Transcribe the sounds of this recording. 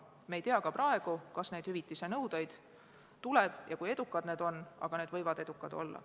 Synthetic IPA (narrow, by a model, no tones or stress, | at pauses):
mejt̪eɑkɑprɑe̞ɡ̥ukɑsne̞d̪̥hyvit̪ːˑisenɤwd̪̥ɑjd̪̥ | t̪ulɛb̥jɑkuje̞d̪ukːˑɑd̪ne̞ːd̪̥o̞nːɑ̰ɡ̥ɑned̪vɤjvɑd̪̥e̞d̪ukːˑɑd̪̥o̞̰lːɑ̰